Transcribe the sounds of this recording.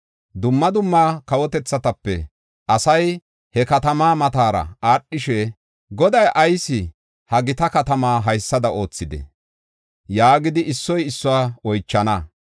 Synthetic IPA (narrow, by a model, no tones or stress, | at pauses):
d̪ʊmːɐd̪ʊmːaːkɐwɔt̪ɛt͡sːɐt̪ɐpːɛ̰ | ʔɐsɐj | hɛkɐt̪ɐmaːmɐt̪aːɾɐ̰aːɗːɪʃɛ | ɡɔd̪ɐjʔɐjsɪ | hɐɡɪt̪ɐkɐt̪ɐmaːɦɐjsːɐd̪ɐʔo̞ːt͡sːɪd̪ɛ̰ | jaːɡɪd̪ɪʔɪsːɔjɪsːʊwaːɔjt͡ʃːɐnɐ